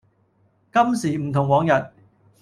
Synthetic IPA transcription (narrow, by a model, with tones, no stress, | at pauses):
kɐ˥msiː˨˩m̩˨˩t̪ʰʊ˨˩ŋwɔː˨˧ŋjɐ˨t̚